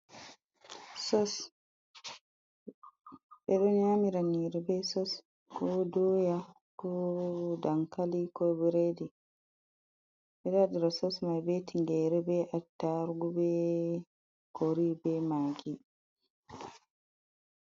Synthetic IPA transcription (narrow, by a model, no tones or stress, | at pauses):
sɔs | ɓɛɗɔɲamiɾaniɾɛbɛsɔs | kɔdɔja | kɔdaŋkalikɔbiɾedi | ɓɛɗadiɾasɔsmajbetiŋɡɛɾɛbɛʔatːaɾɡubɛ | koɾibɛmaɡi